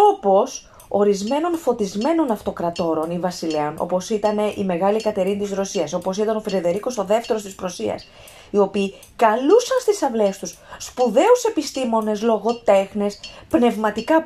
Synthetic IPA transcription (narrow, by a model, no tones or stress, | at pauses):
o̞po̞s | o̞ɾizme̞no̞nfo̞t̪izme̞no̞nɐft̪o̞kɾɐt̪o̞ɾo̞nivɐsileonʔo̞̰po̞sit̪ɐne̞ʔime̞ɣɐlikɐt̪e̞ɾinit̪izɾo̞siɐso̞po̞sit̪ɐno̞feɾeðe̞ɾiko̞so̞ðeft̪e̞ɾost̪ispɾo̞siɐ̰s | io̞piː | kɐlusɐnst̪isɐvle̞st̪usːpuðe̞use̞pist̪imo̞ne̞slo̞ɣo̞t̪e̞xne̞spne̞vmɐt̪ikɐ